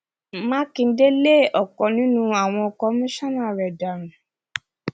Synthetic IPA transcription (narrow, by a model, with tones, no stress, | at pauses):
mã˦kĩ˧n̩˦de˦le˦˨ɔ˨kɔ˨nĩ˨˦nũ˦a˨w̃ɔ̃˧kɔ˧˦mĩ˦ʃɔ̃˦nã˦˨ɾɛ˨da˨ɾ̃ĩ˨